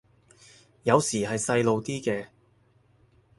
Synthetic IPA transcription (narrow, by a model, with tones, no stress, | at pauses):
jɐ˨˧wsiː˨˩ɦɐ˨jsɐ˧jlo˨wt̪iː˥kɛː˧